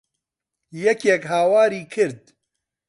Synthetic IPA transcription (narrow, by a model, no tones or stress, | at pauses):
jɛkjɛkɦaːwaːɾiːkʰɨɾd̪̚